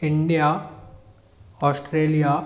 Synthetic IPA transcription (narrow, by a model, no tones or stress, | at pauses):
ɪɳɖija | ɔːsʈɾeːlija